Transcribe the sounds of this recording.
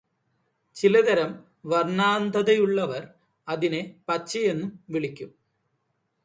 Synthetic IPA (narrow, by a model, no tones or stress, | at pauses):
t͡ɕilɐd̪ɐɾɐm | ʋɐrnaːnd̪ʱɐðɐjuɭːɐʋɐr | ɐðinepɐt͡ɕːɐje̞nːumʋiɭikʲːum